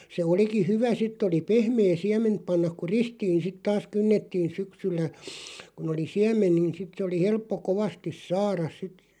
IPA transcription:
se oliki hyʋæ sitˑ oli pehmeː siɛment pɑnːɑk̆ ku ristiːn̞ sit tɑːs kynːetːiːn̞ syksylːæ kun oli siæmen nin sit se oli helpːo koʋɑstis sɑːrɑs sit

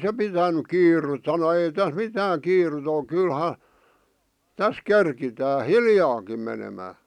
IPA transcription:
se pitænyk kiːrut sɑno ei tæs mitæːŋ kiːrut ol̆ kylhɑ tæs kerkitæː hiljɑːkim menemæː

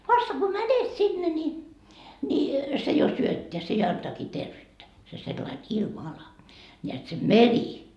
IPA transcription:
ʋɑstɑ ko mænet sinːe nʲi nʲi se jo syøtːeæ se jɑ ɑntɑːkiː terʋyːtːæ se selːɑin ilmɑɑlɑ nʲeæt se meri

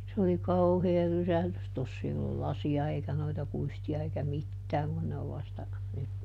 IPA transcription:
se oli kɑuheː rysæhlys tosː ei olːul lɑsiɑ eikæ noitɑ kuistiɑ eikæ mitːæːŋ kun ne oʋ ʋɑstɑ nyt

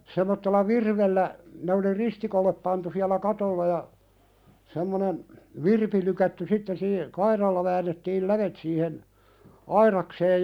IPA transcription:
semˑotːelːɑ ʋirʋelːæ ne oli ristikolːep pɑntu siælæ kɑtolːɑ jɑ semːonen ʋirpi lykætːy sitːen siː kɑirɑlːɑ ʋæːnːetːiːl læʋet siːhen ɑiɾɑkseːj

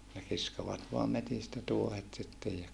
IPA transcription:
ne kiskoʋɑt ʋoɑm metistæ tuohet sitːej jɑ

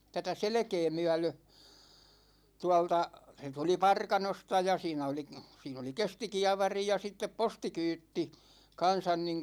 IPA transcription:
tætæ selĕkeː myæ̝lø tuɑ̝ltɑ se tuli pɑrkɑnostɑ jɑ siːnæ oli siːn oli kestikiɑʋɑri jɑ sitːep postikyːtːi kɑnsɑn niŋ

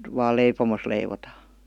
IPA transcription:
ʋɑːl leipomos leiʋotɑː

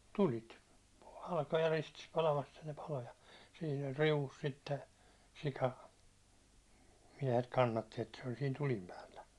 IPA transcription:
tulit hɑlkojɑ ristis pɑlɑmɑs etːæ ne pɑlo jɑ siːn ol riuʋus sitːe sikɑ miɛhet kɑnːɑtːi etːæ se ol siːn tulim pæːlːæ

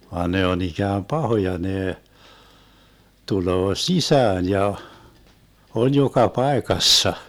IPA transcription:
ʋɑːn ne on ikæːm pɑhojɑ neː tuloː sisæːn jɑ on jokɑ pɑekɑsːɑ

